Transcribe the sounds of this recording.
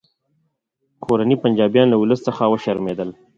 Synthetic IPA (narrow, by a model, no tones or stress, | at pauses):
kʰoɾanipand͡ʒɑbjɑnlauləsːəxawəʃaɾmed̪əl